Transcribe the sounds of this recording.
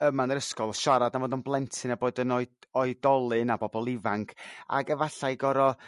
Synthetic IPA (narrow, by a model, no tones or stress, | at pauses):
əmanəɾəskɔlˠɔʃaɾadanvoːdɔnblˠɛntʰɨnaboːdənɔɨɔɨdɔlˠɨnabɔbɔlˠɪvaŋkʰa̰ɡəvaɬajɡɔɾɔ